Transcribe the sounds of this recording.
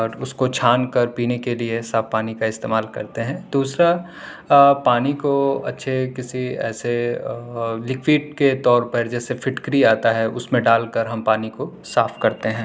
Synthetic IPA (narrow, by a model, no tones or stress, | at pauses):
ɔːɾʊskot͡ʃʰaːnkɐɾpiːnekeliesaːfpaːnikaɪst̪ḛːmaːlkɐɾt̪eɦɛ̃ːd̪uːsɾa | paːnikoɐ̰tːʃʰekɪsiɛ̰ːse | lɪkwiːɖ̚ket̪ɔːɾpɐɾd͡ʒɛːsefʰɪʈkɾiaːt̪aɦɛʊ̰smẽɖaːlkɐɾɦɐmpaːniko | saːfkɐɾt̪eɦɛ̃ː